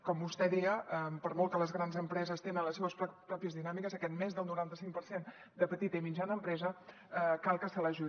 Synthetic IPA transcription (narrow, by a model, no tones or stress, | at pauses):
kɔmbust̪ɛðiəəmpəɾmɔlˠkələzɣɾanzəmpɾɛzəst̪enənləseβəsppɾɔpiəzðinamikəzəkɛt̪̚mezðəlˠnuɾant̪əsiŋkpəɾsen | d̪əpət̪it̪əimid͡ʒanəːmpɾɛzə | əkalˠkəsələʒu